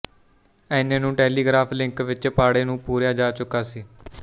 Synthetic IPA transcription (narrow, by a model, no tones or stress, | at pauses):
ɛ̃ːnẽːnũːʈɛːliːɡɾaːpʰlɪ̃ŋkʋɪt͡ʃpaːɽeːnũːpuːɾjaːd͡ʒaːt͡ʃʊkːaːsiː